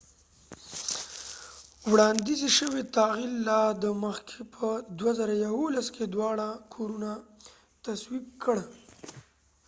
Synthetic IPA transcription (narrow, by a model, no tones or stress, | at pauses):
wɽɑnd̪iziʃəwet̪ɑɣilːɑd̪əməxkʰepʰəd̪wazaɾajawolaskʰed̪wɑɽakʰoɾuna | t̪aswikkʰəɽ